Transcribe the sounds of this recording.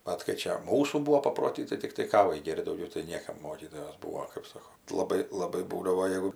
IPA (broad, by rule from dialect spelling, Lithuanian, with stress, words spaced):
ˈbʲɛt kɐɪ ˈt͡ʃʲɛ ˈmuːsuː ˈbuːʋoː pɐproːˈtʲiː tɐɪ tʲɪkˈtɐɪ ˈkɑːʋɐɪ ˈɡʲeːrʲtʲ dɐʊˈɡʲɛʊ tɐɪ ˈnʲiɛkɐm ˈmoːkʲiːtoːjoːs ˈbuːoː kɜp ˈsoːkoː lˠɐˈbɐɪ lˠɐˈbɐɪ ˈbuːdɐʋoː ˈjɛɪɡʊ